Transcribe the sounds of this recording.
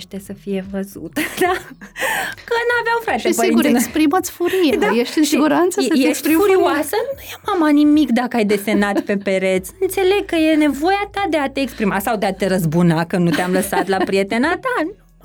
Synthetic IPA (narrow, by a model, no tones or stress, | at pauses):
ʃt̪esəfije̞vəzṵt̪əd̪a | kənaveawfɾat̪epiɡuespɾimət̪sʲfuɾijed̪ajeʃt̪ɨnsiɡuɾant̪səjeʃst̪ɾifuɾiasənujemamanimikd̪akəajd̪e̞se̞nat̪pe̞pe̞ɾe̞t̪sɨnt̪se̞le̞ɡ̚kəje̞ne̞vo̞jat̪ad̪e̞at̪eːkspɾimasawd̪eat̪e̞ɾəzbunakənut̪eamləsat̪lapɾie̞t̪e̞nat̪anu